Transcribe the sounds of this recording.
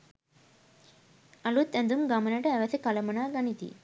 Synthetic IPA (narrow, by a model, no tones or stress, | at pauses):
ɐlut̪ːɛ̃nd̪umɡɐmɐnɐʈɐɛʋɐsikɐlɐmɐnaːɡɐɳit̪ḭ